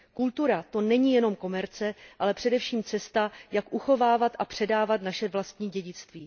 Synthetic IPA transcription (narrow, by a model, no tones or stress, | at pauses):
kult̪uɾat̪o̞nɛɲiːjɛno̞mko̞mɛɾt͡sɛʔalɛpr̝̥ɛdɛfʃiːmt͡sɛst̪ajakʔuxo̞vaːvat̪ʔapr̝̥ɛdaːvat̪naʃɛvlast̪ɲiːɟɛɟɪt͡st̪viː